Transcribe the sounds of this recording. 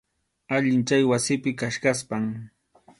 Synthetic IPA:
aʎɪnt͡ʃajwasɪpɪkaʃkaspaŋ

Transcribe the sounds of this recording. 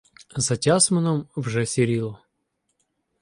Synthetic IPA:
zɐtʲasmənəmvʐɛsʲɪɾʲilˠə

